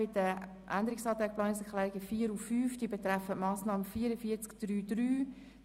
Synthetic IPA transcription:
ɪtə | ʔænd̪əɾɪksɑːt̪aɪplɑːnɪsɛkʰχlɛːɾiɡəfiːəɾuffyːfd̥iːbɛt̪ɾɛfətmɑːsnɑːməfiːəɾəfiːt͡skd̥ryːdɾyː

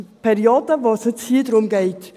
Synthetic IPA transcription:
pʰɛɾioːd̥əvoːsɪt͡shiːdɾʊmɡɛɪt

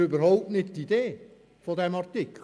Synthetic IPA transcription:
øbəɾhɔʊp̚tnɪttːideː | fodɛmɑrtɪkʰ

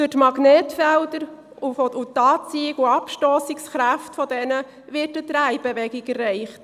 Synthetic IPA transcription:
d̥ʊtmɑɡnɛːtfɛldəɾ | ufɔutːɑːt͡siɪɡuɑpʃtoːsɪksχɾæftfɔdɛnə | ʋɪtətɾæɪb̥eʋɛɡɪɡɛrːɛɪχt

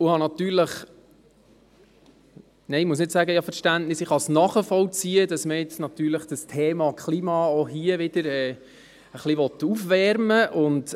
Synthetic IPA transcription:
ʊhɑnɑt̪yːɾləχ | nɛɪmuəs̬nɪtsæːɡəjɑfəɾʃtæntnɪsɪχhɑsnɑχəfɔlt͡siːəd̥ɑsməjɪt͡snɑt̪yːɾləχd̥əstʰeːmɑkχlimɑːɔɦiəʋɪd̥əɾɛː | əχliʋɔt̪ːufʋɛɾməʔʊnd

